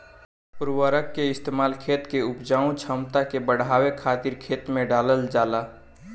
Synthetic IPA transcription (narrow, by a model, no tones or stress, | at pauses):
pʊɾwəɾəkːeɪst̪eːmaːlkʰeːt̪keʊpd͡ʒaːũt͡ʃʰəmt̪akebəɽaːwekʰaːt̪iɾkʰeːt̪mẽɖaːləld͡ʒaːla